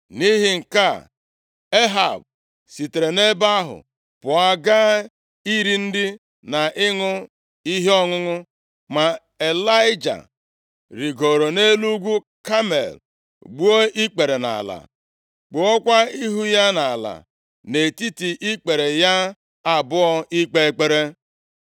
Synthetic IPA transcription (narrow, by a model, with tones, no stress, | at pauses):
ni˦ɦɪ˨ŋ̩˨ka˦ | e˦ɦa̰˨b̚ | si˨te˨ɾe˨ne˦ba˦ɦʊ̰˨ | pʊ˨a˨ɡa˦ | i˦ɾi˨n̩˦dɪ˦ | na˨ʔɪ˦ŋʊ˦ | i˦ɦe˦ɔ˦ŋʊ˦ŋʊ˦ | ma˨ | e˨la˦ɪ˦d͡ʒa̰˨ | ɾi˨ɡo˨ɾo˨ne˦lu˦ɡʷu˦ | ka˦mḛ˨l | ɡ͡bu˦o˦ʔi˦k͡pe˨ɾe˨na̰˨la̰˨ | k͡pu˨ɔ˦kʷa˦i˦ɦu˦ja˦na˨a˨la̰˨ | ne˨ti˦ti˨ʔi˦k͡pe˨ɾe˨ja˦ | a˨bʊ˦ɔ˦ʔi˦k͡pe˦e˦k͡pe˦ɾe˦